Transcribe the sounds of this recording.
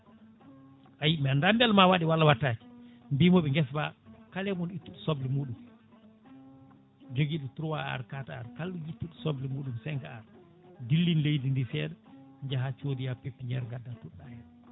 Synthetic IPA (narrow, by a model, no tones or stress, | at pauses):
ʔajimɛndambɛlmawaɗiwalːawatːaːd͡ʒi̥ | mbimɔɓɛŋɡɛsbakalɛmɔnitːuɗusoblimuːɗum | d͡ʒoɡiːɗɔtuɾuwaa̰ɾkataaɾkalɗujitːuɗusɔblimuːɗumsɛŋkaaɾ | dilːinlejdindifɛːɗɛ | ɲd͡ʒaɦat͡ʃodijapepːiɲɛɾŋɡadːatuɗːaja